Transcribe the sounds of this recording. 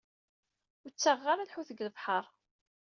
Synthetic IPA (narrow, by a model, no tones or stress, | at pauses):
t͡sːaʁːaɾælħuθəɡləvħəɾˤ